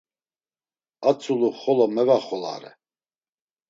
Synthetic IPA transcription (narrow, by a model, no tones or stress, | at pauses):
at͡sʰʼuluχɔlɔmɛvaχɔla̰ɾɛ̰